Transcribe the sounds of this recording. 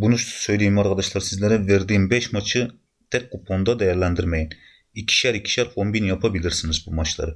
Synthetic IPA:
bunuʃt̪ʰsøjlijmɑɾʁɑd̪ɑʃlˠɑɾsɪzlɪɾɪveɾd̪ɪnbɛʃmɑt͡ʃʰi | t̪ʰɛk̚ʲqopʰond̪ɑd̪ɛjæɾlɛnd̪ɪɾmɛjn | ikʲʰːi̥ʃæɾikʲʰːi̥ʃæɾqombinjɑpʰɑbɪlɪɾsɪŋɪzbumɑt͡ʃʰlˠɨ̰ɾ

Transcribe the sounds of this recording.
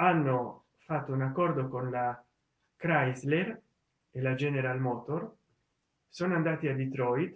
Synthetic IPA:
anːo | fat̪ːounakːɔrd̪okonla | kɾajzler | elad͡ʒɛneɾalmɔːt̪or | soːnoand̪aːt̪iad̪it̪ɾɔjt̪

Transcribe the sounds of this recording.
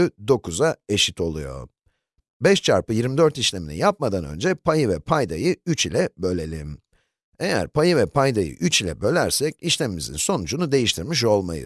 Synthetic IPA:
yd̪o̞kʰuzae̞ʃit̪ʰo̞lˠṵjo̞̰ | bɛʃt͡ʃʰaɾpɯjiɾmid̪øɾt̪iʃlʲe̞minḭjap̚mad̪anø̞̰nd͡ʒɛpʰajɯvɛpʰajd̪ajɯyt͡ʃilʲɛbø̞lʲe̞lʲḭm | e̞jæ̰ɾpajɯvɛpʰajd̪ajɯ̰ʔyt͡ʃilʲɛ̰bø̞lʲæɾsɛciʃlʲemimizḭnso̞nud͡ʒunud̪e̞jiʃt̪ʰiɾmiʃ̬o̞lˠma̰jɯ̰

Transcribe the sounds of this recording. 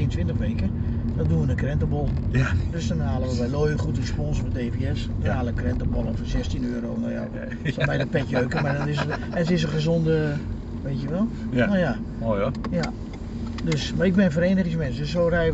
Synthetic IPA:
iəntʰʋɪntəχʋekə | dɔt̚duəʋənəkrɛntəbɔlˠdøsdɔnhaːləʋəʋɛjloːjəχutərəspɔnsmɛt̚deːviɛsdɔnaːlˠəkrɛntəbɔ̰lˠəfɔsɛstinøːɾo̰ːno̰ja̰ | sɔmɛjdəpɛkjøːkəmardɔnɪsə | ɛntɪs̬əχəzondə | ʋejtjəʋɛlˠnoja | ojja | døsmaɪɡ̚bɪnəfəɾeːnəχɪŋsmɛnsdøsoːrɛj

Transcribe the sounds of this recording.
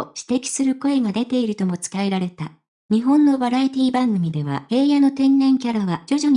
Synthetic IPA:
oɕi̥t̪e̞kʲi̥sɨɾɯ̟ko̞e̞ɡad̪e̞t̪e̞iɾɯ̟t̪o̞mo̞t͡sɨ̥kae̞ɾaɾe̞t̪a | ɲ̟iɦõ̞nːo̞baɾait̪ʲiːbãŋɡɯ̟mʲid̪e̞β̞a̰he̞ːjano̞t̪ẽ̞nːẽ̞ŋkʲaɾaβ̞ad͡ʑo̞ʑo̞ɲ

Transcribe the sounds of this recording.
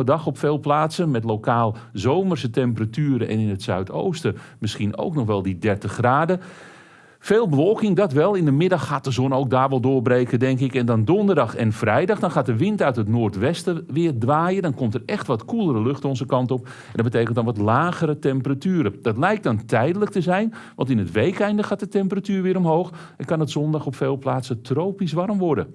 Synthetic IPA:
ədɑxɔpfeːlˠplaːtsəmɛtlokaːlˠzowmərsətɛmpəratyːɾəʔɛ̰nɪnətsœɥto̰wstəmɪskino̰wknɔxʋɛlˠdidɛrtəxraːdə | feːlˠbəʋoːkɪŋdɔtʋɛlˠɪndəmɪdɑxaːt̚dəzonowk̚daːrʋɔlˠdʊːrbrejkədɛŋkɪkɛndɔndondərdɑxɛnfrɛjdɑxdɔnxaːt̚dəʋɪntœɥtətnoːrtʋɛstəʋɪːrdʋaːjədɔnkɔmtərɛxtʋɔtkulˠəɾəløxtɔnzəkɑntɔp | ɛndɔbətejkəntdɔnʋɔtlaːɣəɾətɛmpəratyːɾəd̥ɑtlɛjk̚tdɔntʰɛjdələk̚təzɛjn | ʋɑ̰ntɪnətʋejkɛjndəxaːt̚dətɛmpəratyːʋɪːɾɔmɦowx | ɛnkɑnətzɔndɑxɔpfeːlˠplaːsətrowpisʋarmʋɔrdə̰

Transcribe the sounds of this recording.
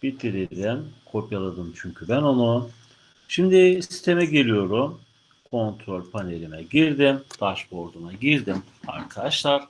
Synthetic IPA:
b̥it̪ʰːiɾiɾimkʰo̞pjalˠad̪ɯmt͡ʃʰyɲcʰybæno̞nu | ʃimd̪ɪsi̥st̪ʰe̞mɛɟelʲijo̞ɾum | kʰo̞nt̪ʰɾo̞lʲpʰane̞lʲimɛɟiɾd̪imd̪̥aʃbo̞ɾd̪unaɟiɾd̪im | a̰ɾkʰad̪aʃlˠaɾ̥

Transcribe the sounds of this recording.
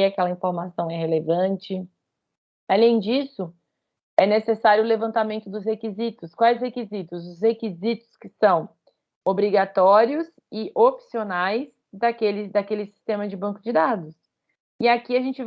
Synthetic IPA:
iakɛlɐĩfoɾmasɐ̃w̃ɛɦelevɐ̃nt͡ʃɪ | alẽj̃d͡ʒisʊ | ɛnesesaɾjʊʊlevɐ̃nt̪amẽnt̪ʊd̪ʊs̬hekizit̪ʊskwajshekizit̪ʊzʊshekizit̪ʊ̥skɪsɐ̃w̃ | obɾiɡat̪ɔɾiʊs | ɪʔopsionajs | d̪akelɪd̪akelɪsi̥st̪ẽmɐd͡ʒɪbɐ̃ŋkʊd͡ʒɪd̪ad̪ʊs | ɪakiaʒẽnt͡ʃɪv

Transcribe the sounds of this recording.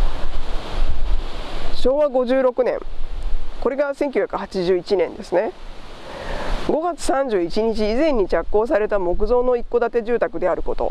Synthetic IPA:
ɕo̞ːβaɡo̞ʑɨːɾo̞kɯ̟nẽ̞̰ŋ | ko̞ɾe̞ɡasẽ̞ŋkʲiɨ̟çʲjḁkɯ̟hat͡ɕiʑɨːit͡ɕinẽ̞nd̪e̞sɨne̞ | ɡo̞ɡat͡sɨ̥sãɲd͡ʑɨːit͡ɕiɲ̟it͡ɕiːzẽ̞ɲ̟ːit͡ɕakːo̞ːs̬aɾe̞t̪amo̞kɯ̟zo̞ːno̞ikːo̞d̪at̪e̞ʑɨːt̪akɯ̟d̪e̞aɾɯ̟ko̞t̪o̞̰

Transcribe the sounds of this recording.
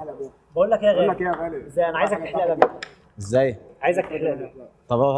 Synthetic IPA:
bæʔuːlːækejæɣæːezːæːjʔænæʕajezækt̪eħleʔlæmæ | ʔezːæjʕaːjezæk̚t̪eħleʔlæt̪ˤɑbo

